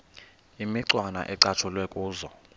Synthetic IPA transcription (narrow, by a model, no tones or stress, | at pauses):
imiǀwana̰ʔɛǀat͡ʃʰulwɛkʼuːzɔ